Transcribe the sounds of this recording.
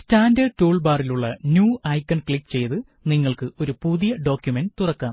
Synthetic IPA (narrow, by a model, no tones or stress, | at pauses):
staːndɐtuːɭbaːriluɭːɐnjuːɐjkːɐɳkɭikːt͡ɕe̞jt̪ɨ | niŋːɐɭkɨo̞ɾupuðijɐɖo̞ːkʲjumenɖt̪urɐkːaːm